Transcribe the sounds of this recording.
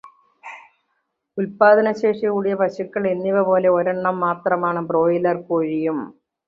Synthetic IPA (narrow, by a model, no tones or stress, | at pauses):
ulpaːd̪ɐnɐɕe̞ːʂɐkuːɽijɐpɐɕukːɐɭe̞nːiʋɐpo̞ːle̞oɾɐɳːɐmːaːt̪rɐmaːɳɨbro̞ːjilɐrkoːɻijum